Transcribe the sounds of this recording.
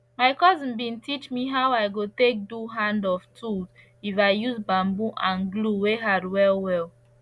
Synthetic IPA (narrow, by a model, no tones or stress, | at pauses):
maɪkɔzĩnbĩntit͡ʃmiɦawaɪɡotek̚duɦãndɔftʰud | ifaɪjuzbãmbuʔãnɡluweɦadwɛlwɛl